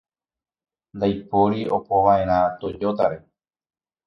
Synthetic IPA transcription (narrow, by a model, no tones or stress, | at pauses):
nd̪ajpoɾio̞poʋaʔe̞ɾ̃ãt̪o̞d͡ʒot̪aɾe̞